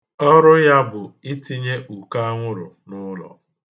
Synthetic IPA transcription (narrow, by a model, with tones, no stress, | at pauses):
ɔ˦ɾʊ˦ja˦bʊ˨i˦ti˦ɲe˦ʔu˨ka˦a˦ŋʷʊ˦ɾʊ̰˨ | nʊ˦lɔ̰˨